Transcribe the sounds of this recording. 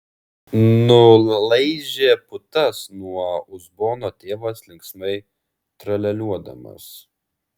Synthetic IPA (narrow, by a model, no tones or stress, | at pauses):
nʊlˠɐɪd͡ʒʲeːpʊt̪ɐsnuɔʊzboːnoːt̪ʲeːʋɐslʲɪŋksmɐɪ | t̪ɾɐlʲɛlʲuɔd̪ɐ̰mɐ̰s